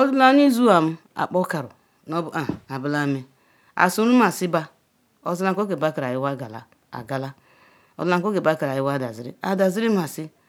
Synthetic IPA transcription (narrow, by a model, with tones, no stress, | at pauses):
o˦du˦la˦ni˦zu˦a˨m̩˦a̰˨k͡po˦ka˨ɾṵ˨ | no˦bu˨ʔa˨a˨bu˦la˦me˨ | a̰˨su˦ɾu˦ma˨si˦ba˦ | o˨zi˦la˦ŋ˦o˦ke˨ba˦ka˨ɾa˨ji˦wa˦˨ɡa˨la̰˨ | a̰˨ɡa˨la˦ | o̰˨du˦a˦ŋ˨˦ko˦ke˨ba˦ka˨ɾa˨ji˦wa˦˨da˨zi˨ɾḭ˦a˨da˨zi˦ɾi˦ma˨si˦